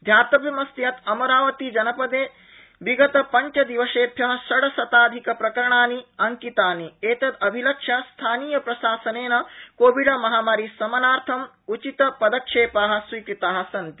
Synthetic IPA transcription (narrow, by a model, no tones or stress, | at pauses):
d̪ʱjaːt̪ɐbʱjɐmɐst̪jɐt̪ɐmɐɾaːʋɐt̪id͡ʒɐnɐpɐd̪eː | ʋiɡɐt̪ɐpɐɲt͡ʃɐd̪iʋɐʃeːpʰjɐɦɐsɐɽɐsɐt̪aːd̪ʱikɐpɾɐkɐɾɐɳaːniɐŋkit̪aːnieːt̪ɐd̪ɐbʱilɐkʂɐst̪ʰaːniːjɐpɾɐʃaːsɐneːnɐkoːʋiɖɐmɐɦaːmaːɾisɐmɐnaːɾt̪ʰɐm | ut͡ʃit̪ɐpɐd̪ɐkʂeːpaːɦɐ̆sʋiːkɾit̪aːɦɐ̆sɐnt̪i̥